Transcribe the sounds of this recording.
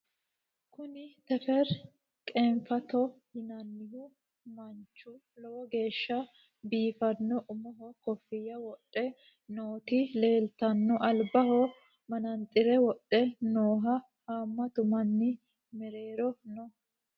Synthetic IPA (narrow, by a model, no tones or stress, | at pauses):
kʊnɪt̪ɛfɛɾ | kʼeːɱfɐt̪ɔhɪnɐnːɪhʊ | mɐnt͡ʃːʊ | lɔwɔɡe̞ːʃːɐ | biːfɐnːɔʔʊmɔɦɔkɔfːɪjːɐwɔtʼːɛ | noːt̪ɪle̞ːlt̪ɐnːɔʔɐlbɐɦɔ | mɐnɐnt̪ʼɪɾɛwɔtʼːɛnoːɦɐ | haːmːɐt̪ʊmɐnːɪ | mɛɾe̞ːɾɔnɔ